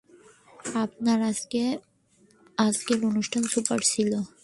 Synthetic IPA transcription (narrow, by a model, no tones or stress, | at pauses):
ap̚naɾase | azkeɾonuʃʈʰansupəɾsilo